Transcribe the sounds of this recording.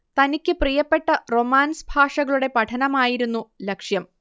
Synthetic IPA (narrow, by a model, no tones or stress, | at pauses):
t̪ɐnikʲːɨprijɐpːe̞ʈːɐro̞maːnsbʱaːʂɐɣɐɭuɽe̞pɐʈʰɐnɐmaːjiɾunːulɐkʂjɐm